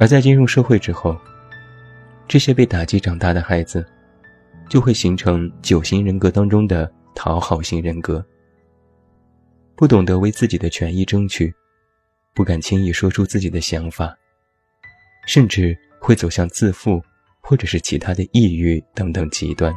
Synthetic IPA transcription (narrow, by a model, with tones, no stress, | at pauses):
ə˞˧˥t͡sa˥˩i˥nɻʊ˥˧ŋʂɤ˥˧xwe˥˩ɪʈ͡ʂɻ̩˥xo˥˩ʊ | ʈ͡ʂɤ˥˩ɕjɛ˥pe˥˩ɪt̪a˨˩t͡ɕi˧˥ʈ͡ʂɑ˨˩ŋt̪a˥˩d̪ə˩xa˧˥ɪd͡zɹ̩˧ | t͡ɕjo˥˧xwe˥˩ɪɕi˧˥ŋʈ͡ʂʰɤ˧˥ŋt͡ɕjo˨˩ʊɕi˧˥ŋɻə˧˥nkɤ˧˥t̪ɑ˥ŋʈ͡ʂʊ˥ŋd̪ə˨ | t̪ʰɑ˧˥ʊxɑ˨˧˩ʊɕi˧˥ŋɻə˧˥nkɤ˧˥ | pu˥˩t̪ʊ˨˩ŋd̪ə˧˥we˧˥ɪt͡sɹ̩˥˩t͡ɕi˨˩d̪ə˦t͡ɕʰɥɛ˧˥ni˥˩ʈ͡ʂɤ˥ŋt͡ɕʰy˨˩ | pu˥˩ka˨˩nt͡ɕʰi˥ŋi˥˩ʂwɔ˥ʈ͡ʂʰu˥t͡sɹ̩˥˩t͡ɕi˨˩d̪ə˦ɕjɑ˧˥ŋfa˨˩ | ʂə˥˧nʈ͡ʂɻ̩˥˩ | xwe˥˩ɪt͡so˨˩ʊɕjɑ˥˧ŋt͡sɹ̩˥˧fu˥˩ | xwɔ˥˩ʈ͡ʂɤ˨˩ʂɻ̩˥˩t͡ɕʰi˧˥t̪ʰa˥d̪ə˨i˥˧y˥˩t̪ɤ˧˥ŋt̪ɤ˨˩ŋt͡ɕḭ˧˥t̪wa˥˩n